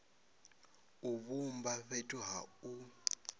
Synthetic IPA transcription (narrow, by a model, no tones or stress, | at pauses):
uβumbaɸetʼuɦau